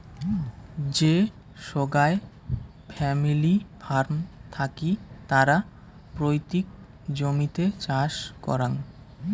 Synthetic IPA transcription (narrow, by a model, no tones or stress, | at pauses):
d͡ʑe | ʃoɡae | fʰɛmilifʰaɾmt̪ʰakit̪aɾa | pɾojt̪ik | d͡ʑomit̪et͡ɕaʃkɔ̰ɾan